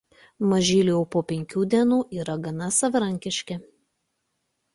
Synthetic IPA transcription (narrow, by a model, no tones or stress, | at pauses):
mɐʒʲiːlʲiɛʊpoːpʲɛŋʲkʲuːd̪ʲiɛnuːʔiːɾɐɡɐnɐsɐʋɐɾɐŋʲkʲɪʃʲkʲɛ